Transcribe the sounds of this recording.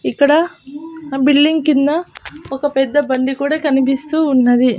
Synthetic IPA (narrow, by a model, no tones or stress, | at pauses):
ikːɐɽɐ | biɭːiŋkind̪ɐɔkɐpɛd̪ːɐbɐɳɖikuːɽɐkɐnibist̪uːnːɐd̪i